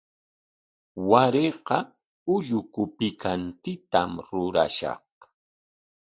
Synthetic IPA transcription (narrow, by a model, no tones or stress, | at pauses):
waɾeqɑ | ʊʎʊkʊpɪkʰant̪ɪt̪amɾʊɾa̰ʃɑ̰h